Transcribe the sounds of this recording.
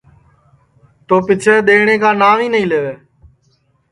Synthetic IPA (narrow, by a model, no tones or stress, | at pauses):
t̪oːpɪt͡ʃʰeːɗ̪eːɳeːkaːnaːʋiːnəɦĩːleːʋeː